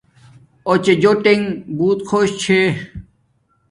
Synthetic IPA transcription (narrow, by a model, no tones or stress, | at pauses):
ot͡ɕed͡ʑoʈeŋbuːt̪kʰoːɕt͡ɕʰe